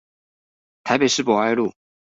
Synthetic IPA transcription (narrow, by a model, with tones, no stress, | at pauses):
t̪ʰa˨˧ɪpe˨˩ɪʂɻ̩˥˩pwɔ˨˩a˥˧ɪlu˥˩